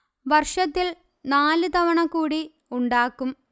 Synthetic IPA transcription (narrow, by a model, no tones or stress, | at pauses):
ʋɐrʂɐt̪ːil | naːlɨt̪ɐʋɐɳɐkːuːɽi | uɳɖaːkːum